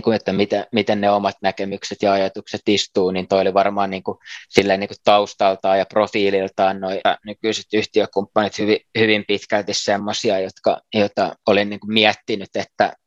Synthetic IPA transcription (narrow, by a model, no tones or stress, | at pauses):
kuet̪ːæmit̪emit̪enneomɑt̪nækemykset̪jɑɑjɑt̪ukset̪ist̪uːniːnt̪oioliʋɑrmɑːnniːŋkusilːæiniːŋkutt̪ɑust̪ɑlt̪ɑːjɑprofiːlilt̪ɑːnnoinykyise̥t̪yht̪iøkumpːɑnit̪hyʋihyʋimpit̪kælt̪issemːosiɑjot̪kɑ̰jot̪ɑolinniːŋkummiæt̪ːinyt̪et̪ːæ̰